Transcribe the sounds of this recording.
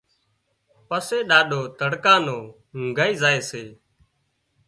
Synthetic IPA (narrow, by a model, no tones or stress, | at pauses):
pəseːɗaːɗoːt̪əɽkãːnõː | ŋɡʱaːiːzaːeːseː